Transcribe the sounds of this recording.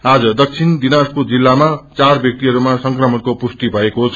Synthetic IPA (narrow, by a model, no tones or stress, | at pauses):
ad͡zʌd̪ʌk̚t͡sʰind̪inaspud͡zilːamat͡sarbjʌk̚t̪iɦʌɾumasʌŋkrʌmʌnkopust̪ibʱʌekot͡sʰ